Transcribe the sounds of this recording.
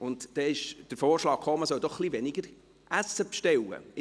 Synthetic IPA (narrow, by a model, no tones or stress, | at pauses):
ʊntd̥ɛɪʃd̥əɾfoːɾʃlɑːk̚χoːməsœld̥ɔχːlivɛnɪɡəɾ | ʔæsːəpʃtɛwə̰ɪ